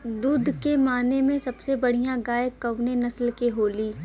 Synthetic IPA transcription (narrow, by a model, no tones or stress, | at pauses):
d̪uːd̪ʱkemaːnemẽsɐbsebɐɽ̤ijãɡaːjkːɐwnenɐslkeɦoːliː